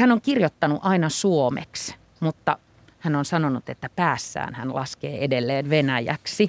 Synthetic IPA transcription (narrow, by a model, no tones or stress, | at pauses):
hænoŋkirjot̪ːɑnuʔɑinɑsuomḛks | mut̪ːɑ | hænonsɑnonut̪et̪ːæpæːsːæ̰ːnhæ̰nlʔɑ̰skeːʔedelːeːnʋenæjæ̰ksi